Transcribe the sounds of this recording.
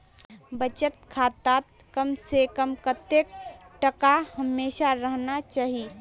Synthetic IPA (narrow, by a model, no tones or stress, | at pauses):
bət͡ʃət̪̚kʰaːt̪at̪̚ | kəmsekəmkət̪ek̚ʈəkahɐmːeːʃaɾəɦnat͡ʃaːɦi